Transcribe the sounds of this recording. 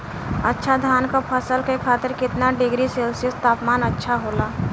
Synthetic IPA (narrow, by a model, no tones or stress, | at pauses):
ɐtːʃʰad̪ʱjaːnkapʰɐsəlkekʰaːt̪ɪɾkɪt̪naɖɪɡɾiselsɪst̪aːpmaːnɐtːʃʰaɦoːlaː